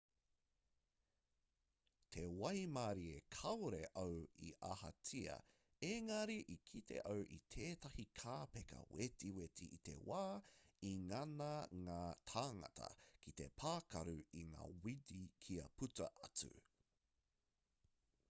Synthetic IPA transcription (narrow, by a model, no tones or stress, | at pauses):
t̪ʰewɐjmaɾiekʰɐwɾeʔowḭʔahɐ̰t͡sʰiɐ̰ | eŋɐɾiʔikʰitʰe̞̰ʔowʔḭt̪ʰeːtɐhikʰaːpekɐ̰wetiwetiːt̪e̞̰waːiŋɐnɐŋaːtʰaːŋɐ̰tʰɐ̰kʰit̪e̞pʰaːkɐɾuiŋa̰ːwidikʰiɐpʰutɐ̰ʔɐt͡sʉ̰